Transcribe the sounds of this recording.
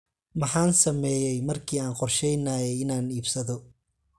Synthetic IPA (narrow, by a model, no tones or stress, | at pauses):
mɑħɑːnsɐmɛːjɛjmɐrkʰiːaːnqɔrʃɛjnaːjɛjɪnaːniːbsɐðɔ